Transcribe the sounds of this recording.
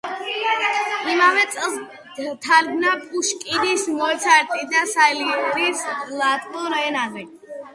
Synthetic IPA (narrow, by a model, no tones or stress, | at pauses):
imavɛt̪sʼɛlˠs | t̪ʰaɾɡnapʼuʃkʼid̪ismɔɛt̪sʰaɾt̪ʼid̪asaɛliɔɾislˠat̪ʼkʼɔɾɛnavɛ